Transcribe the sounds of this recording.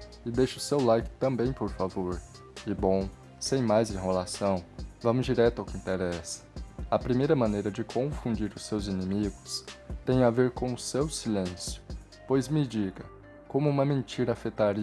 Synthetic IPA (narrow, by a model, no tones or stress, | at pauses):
ɪd̪ejʃʊsewlajkɪ̥t̪ɐ̃mbẽj̃poɾfavoɾ | ɪbõw̃ | sẽj̃majzẽɦelasɐ̃w̃vɐ̃mʊzd͡ʒiɾɛt̪ʊawkɪĩnt̪eɾɛsɐ̥ɐpɾimejɾɐmɐ̃nejɾɐd͡ʒɪkʰõfũnd͡ʒiɾʊsewzinemiɡʊst̪ẽj̃aveɾkõw̃ʊsewsilẽsjʊ̥ | pojzmɪd͡ʒiɡɐ | kõmʊũmɐmẽt͡ʃiɾɐːfet̪aɾi